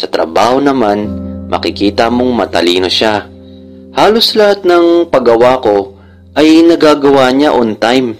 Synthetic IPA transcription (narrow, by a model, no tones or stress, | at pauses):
sɐt̪ɾɐ̰baːho̞nɐmanmʔɐ̰kɪkiːt̪ɐmo̞ŋmɐt̪ɐ̰liːno̞ʃa | haːlo̞slɐhat̪̚nɐŋpɐɡɐwaːko̞ | ʔɐjnɐɡaːɡɐwaːɲaʔont̪ajm